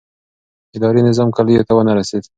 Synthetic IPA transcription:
ɪd̪ɑɾinɪzɑmkaləjot̪awənaɾased̪

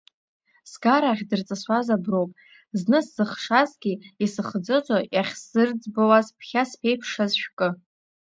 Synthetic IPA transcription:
sɡaɾaχʲdɨrt͡sʼɨsʷazabrowpʼ | znɨsz̥ɨχʂazɡʲiisɨχd͡zɨt͡sʷʼajaχʲsɨrd͡zbowazpʰχʲaspʰejpʰʂazʃᶣkʼɨ

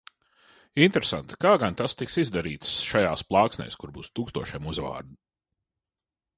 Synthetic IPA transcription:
int̪ɾesa̰nt̪i̥kaːɡant̪ast̪iksizd̪aɾiːt̪sʃajaːsplˠɑːksnʲɛ̰ːskuɾbuːst̪uːkst̪uɔʃɛmuzva̰ːɾd̪u

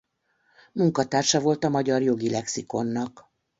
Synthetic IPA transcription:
muŋkɒt̪aːrʃɒvo̞lt̪ɒmɒɟɒrjo̞ɡilɛksiko̞nːɒk

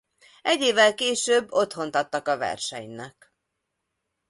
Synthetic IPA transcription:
ɛɟːeːvːɛlkeːʃøːbːo̞t̪ho̞nt̪ɒt̪ːɒkɒvɛ̰rʃɛ̰ɲnɛk

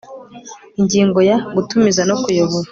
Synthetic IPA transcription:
iɲɟiːŋɡo̞jaɡutumizanokujoβuɾa

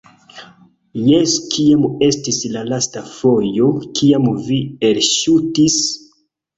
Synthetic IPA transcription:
jeskʰiame̞stislalastafojo̞kiamvielʃutis

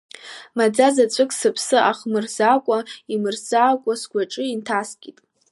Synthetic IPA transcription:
mad͡zazat͡sʷʼɨkʰʼsɨpʰsɨʔaχmɨrzakʷʼaimɨrzakʷʼasɡʷaʈ͡ʂʼɨintʰaskʲʼitʼ

